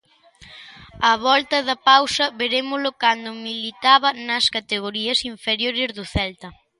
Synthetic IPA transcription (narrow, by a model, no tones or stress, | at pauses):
ɐβɔlt̪ɐðɐpawsɐβeɾemʊlʊkand̪ʊmilit̪aβɐnɐskat̪eɣ̞oɾiɐsiɱfeɾjoɾɪzðʊθɛlt̪ɐ